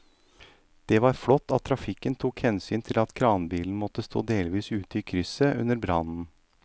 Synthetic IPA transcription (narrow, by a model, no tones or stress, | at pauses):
d̪̥ɛʋɑɾflɔt̪ːɑt̪ʰːɾɑfɪkːənt̪ʰuːkhɛnsyːnt̪ʰɪlɑt̪kʰɾɑːnbiːln̩mɔt̪ːəst̪o̰ːd̪eːlʋiːsʉːt̪əiːkʰɾʏsəʔʉ̰nəɾbɾɑnn̩